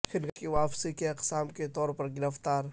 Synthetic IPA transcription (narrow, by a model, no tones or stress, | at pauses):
xɪɾɡkiʋaːfsikeqsaːmket̪ɔːɾpɐɾɡɪɾəft̪aːɾ